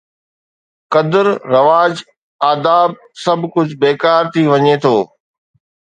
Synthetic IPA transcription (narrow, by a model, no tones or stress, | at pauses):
kɐd̪əɾɾɐʋaːd͡ʑ | aːd̪aːb̚ | sɐbʱkʊd͡ʑʱbeːkaːɾt̪ʰiʋɐɲet̪ʰoː